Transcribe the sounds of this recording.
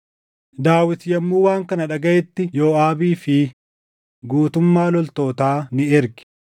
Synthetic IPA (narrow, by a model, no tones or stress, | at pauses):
d̪aːwɪt̪jɐmːuːwaːŋkɐnɐᶑɐɡɐʔɛt̪ːɪjoːaːbiːfɪ | ɡuːt̪ʊmːaːlɔlt̪o̞ːt̪aːnɪɪɾɡɪ̥